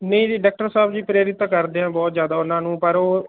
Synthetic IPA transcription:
nəĩːd͡ʒiːɖːk̚ʈəɾsaːbd͡ʒiːpɾeːɾɪt̪ːkəɾd̪eːãːbɔːt̪zjaːd̪aːʊnãːnũːpəɾoː

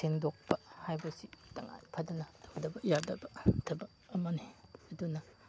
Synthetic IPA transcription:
sendok̚pɐhajbɐsitɐŋa̰jpʰɐdɐnɐtʰɐwdɐbɐjadɐbɐtʰɐbɐːmɐniɐdunɐ

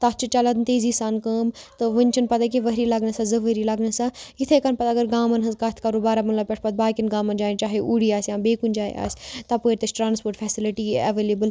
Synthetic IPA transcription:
t̪ɐt͡ʃʰɨt͡ʃɐlaːd̪nt̪eːziːsaːnkəːmt̪ɨʋənʲt͡ʃʰɐnpɐt̪ak̬ẽʋəɦɾiːlɐɡnɐsazɐʋəɾilɐɡnɐsajit̪ʰekɐnpɐt̪ɐɡəɾɡaːmɐnɦɐnzkat̪ʰkɐɾuːbaːɾamɐlɐbpʲeʈʰpɐt̪̚baːkʲinɡaːmɐnd͡ʒaːt͡ʃaːɦeʔuːɽiaːsjãːbeːkund͡ʒaːj̰a̰ːsʲt̪ɐpəːɾt̪ɐt͡ʃʈɾãːnspoːɾʈfʰɛːsiliʈiɐʋeːleːbəl

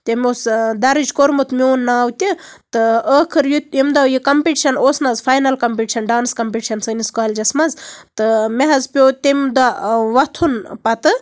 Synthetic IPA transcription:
t̪ʲemʲosd̪ɐɾid͡ʒkoɾmut̪mʲiwːnːaːwt̪ʲit̪ɨəːkʰɨɾjut̪imd̪ɐwjikɐmpiʈiʃɐnoːsnɐzfaːjnɐlkɐmpiʈiʃɐnɖaːnskɐmpiʈiʃɐnsəniskoɐlʲd͡ʒɐsmɐzt̪ɨmeɦɐzpʲoːt̪ʲemʲd̪aʋɐt̪ʰunpɐt̪ɨ

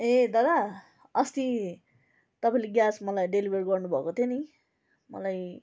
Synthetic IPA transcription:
ed̪ʌd̪a | ʌst̪i | t̪ʌpaĩleɡjasmʌlajɖelibʱʌrɡʌrnubʱʌkot̪ʰjoni | mʌ̰laj

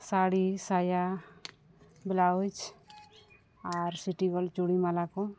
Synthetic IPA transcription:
saɽisaja | blaud͡ʒ | aɾsiʈiɡɔlt͡ʃuɽimalakɔ

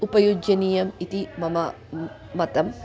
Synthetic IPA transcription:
upɐjud͡ʒɐniːjɐmit̪imɐmɐ | mɐt̪ɐm

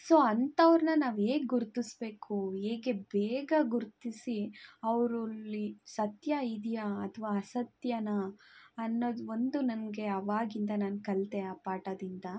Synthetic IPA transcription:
so̞ːɐnt̪ɐʋɾnɐnaːʋe̞ːɡɡuɾt̪isbe̞ːkʰuɦeːɡe̞beːɡɐɡuɾt̪isiɐʋɾulːisɐt̪jɐid̪ijaːt̪ʰʋaːɐsɐt̪jɐnɐː | nːoːd̪o̞nd̪unɐnɡe̞ɐʋaːɡind̪ɐnaːnkɐlt̪eaːpaːʈɐd̪ind̪ɐ

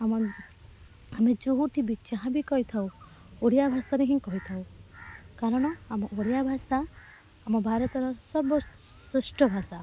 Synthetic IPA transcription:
amɔ | amed͡ʒoɦuʈʰibit͡ʃaɦãbikɔɦit̪ʰaw | oɽijabʱasaɾeɦĩkɔɦit̪ʰaw | kaɾɔɽ̃ɔamɔʔoɽijabʱasaː | mɔbʱaɾɔt̪ɔɾɔsɔɾbɔ | susʈɔbʱasa

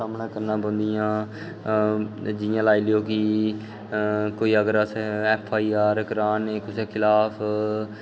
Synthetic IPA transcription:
aːmnãːkəɾnãːbə̃nd̪ɪjãː | d͡ʒɪjãːlaːiːlɪjoːkɪ | koːiːəɡəɾəseɛːpʰaːiːaːɾkəɾaːneːkʊseːkʰɪlaːpʰ

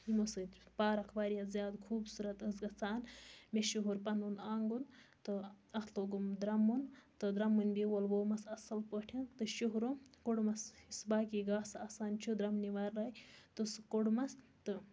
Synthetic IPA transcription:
imusɨpaːɾɐkʰbaːɾijazʲjaːd̪kʰuːbsuɾɐt̪əsɡɐt͡saːnmeʃuɦuɾpɐnunaːŋɡunt̪ɨ | ɐhloɡumd̪ɾɐmːunt̪ɨd̪ɾɐmːunʲbiwolʋoːmɐsɐsɐlpəːʈʰint̪ɨʃuɦɾumkuɽmɐsisbaːkiɡaːsaːsaːnt͡ʃʰud̪ɾɐmniʋaːɾːaːjt̪ɨskoɽmɐs | t̪ɨ

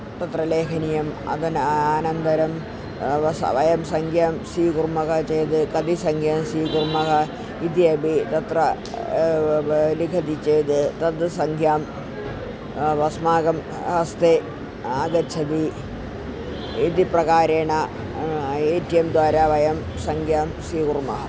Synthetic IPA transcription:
t̪ɐt̪rɐleːkʰɐnijɐmɐ̰d̪ɐnaːnɐnd̪ɐɾɐm | ʋɐsʋɐjɐmsɐŋkʰjaːmsiːkurmɐɣɐt͡ɕejt̪ɨkɐd̪isɐŋɡʰʱjaːmsiːkurmɐɣɐ | id̪iɐbit̪ɐt̪rɐ | likʰɐd̪it͡ɕejt̪ɨt̪ɐd̪ɨsɐŋkʰjaːm | ʋɐsmaːɡɐm | hɐst̪e | aːɡɐt͡ɕʰɐd̪i | id̪iprɐɣaːɾeːɳɐ | eːtːijɐmd̪ʋaːɾaʋɐjɐm | sɐŋɡʱjaːmsiːkurmɐɦɐ

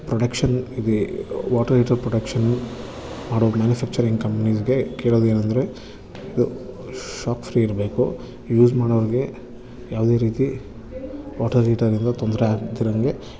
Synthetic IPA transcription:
pɾoɽɐkʃɐnid̪iʋaːʈɐɾliːʈɐɾpɾɔɽɐkʂɐnː | maːɽomaːnjufʰæːk̚t͡ʃɐɾiŋɡkɐmpɐnisɡekeːɭoːd̪ue̞ːnɐnd̪ɐɾe̞ | id̪uʃaːkfɾiiɾɐbe̞ːku | juːsmaːɽɐʋɐɾɡe̞ | jaːʋɐd̪e̞ːɾiːt̪i | ʋaːʈɐɾliːʈɐɾind̪ɐt̪ond̪ɾeaːt̪iɾɐŋɡe

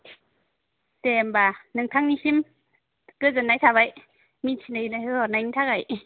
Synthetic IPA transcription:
t̪ɛmbanɯŋtʰaŋnihim | kɯzɯnajt̪ʰabaj | mintʰinajinajɔnajnitʰakaj

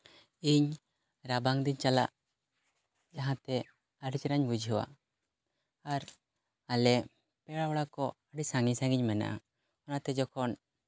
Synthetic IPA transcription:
iɲ | ɾabaŋd̪iɲt͡ʃalaʔ | d͡ʒaɦãt̪ɛ | aɽit͡ʃɾaɲbud͡ʒʱɦɔwa̰ | aɾ | alɛ | pɛɽawɔɽakɔaɖisaŋisãŋɡiɲmɛna̰ʔa̰ | ɔnat̪ɛd͡ʒɔkʰɔn

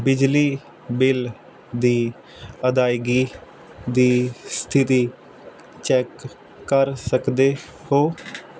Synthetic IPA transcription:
bɪd͡ʒliː | bɪl | d̪iː | əd̪aːɪɡiː | d̪iːst̪ʰɪt̪iː | t͡ʃɛːkː | əɾsəkd̪eː | hoː

